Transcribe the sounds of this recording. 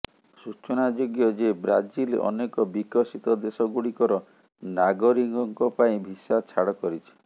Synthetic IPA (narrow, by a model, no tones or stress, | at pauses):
sut͡ʃɔnad͡ʒoɡjɔd͡ʒebɾad͡ʒilɔ̰nekɔbikɔsit̪ɔd̪esɔɡuɽikɔɾɔ | naɡɔɾiŋɡɔŋkɔpaĩbʱisat͡ʃʰaɽɔkɔɾit͡ʃʰi̥